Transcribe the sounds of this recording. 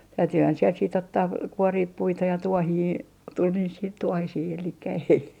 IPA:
tæytyhæn siel siːt otːɑː kuoriːp puitɑ jɑ tuohiː tul niːs siːt tuohisiː elikːæ ei

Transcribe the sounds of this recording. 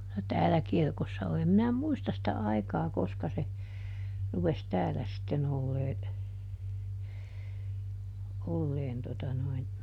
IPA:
no tæːlæ kirkosːɑ oli em minæ muistɑs sĭtæ ɑikɑː koskɑ se rupes tæːlæ sitːen olːeː olːeːn totɑ noin

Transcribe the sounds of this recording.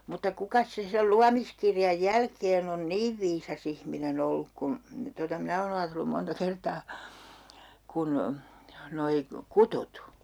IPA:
mutːɑ kukɑs se sel luɑmiskirjɑj jælkeːn on niːʋ ʋiːsɑs ihminen olːuk kun totɑ minæ oːn ɑːtelːum montɑ kertɑː kun noi kutut

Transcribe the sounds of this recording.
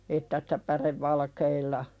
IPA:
etːæ si̥tæ pæreʋːɑlkeilːɑ

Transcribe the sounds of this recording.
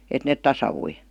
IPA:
et net tɑsɑʋ̥ui

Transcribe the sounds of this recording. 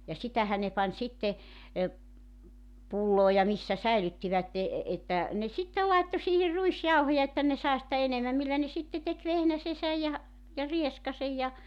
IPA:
jɑ sitæhæ ne pɑnʲ sitːe e pulːoː jɑ misːæ sæilytːiʋætːe etːæ ne sitːel lɑitːo siːhir ruisjɑuhojɑ etːæ ne sɑe sĭtæ enemæm milːæ ne sitːe tek ʋehnæsesæj jɑ jɑ rieskɑsej jɑ

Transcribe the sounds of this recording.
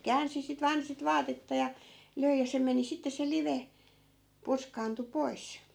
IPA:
kæːnsi sit ʋɑːn sit ʋɑːtetːɑ jɑ løi jɑ se meni sitːe se liʋe purskɑːntu pois

